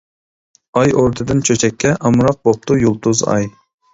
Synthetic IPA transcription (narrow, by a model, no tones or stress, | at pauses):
ɑjoɾt̪ʰɨd̪ɨnt͡ʃʰøt͡ʃʰɛkʲʰːɛʔɑmɾɑq̚bop̚t̪ʰujulˠt̪uzɑ̰j